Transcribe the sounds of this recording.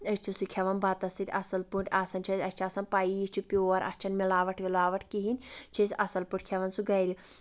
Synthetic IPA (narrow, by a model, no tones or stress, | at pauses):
ɐst͡ʃʰisukʲʰɐʋɐnbɐt̪ɐsit̪ʲɐsɐlpuɳʈʲaːsɐnt͡ʃʰɐsʲɐst͡ʃʰaːsɐnpaːijit͡ʃʰipʲjoːɾʔɐ̰st͡ʃʰɐnmilaːʋɐʈʰʋilaːʋɐʈʰkiɦinʲt͡ʃʰɐsʲɐsɐlpuʈʰkʲʰɛʋɐnsuɡɐjɾi